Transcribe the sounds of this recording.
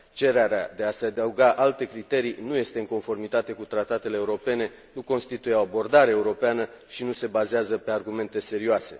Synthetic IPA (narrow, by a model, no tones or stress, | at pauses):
t͡ʃe̞ɾeaɾead̪e̞ase̞ad̪əuɡaʔalt̪e̞kɾit̪e̞ɾinuje̞st̪e̞ɨŋko̞nfo̞rmit̪at̪e̞kut̪ɾat̪at̪e̞leːuɾo̞pe̞ne̞ | nuko̞nst̪it̪ujeo̞abo̞rd̪aɾeːuɾo̞peanə | ʃinuse̞bazeazəpe̞arɡume̞nt̪e̞se̞ɾioase̞̰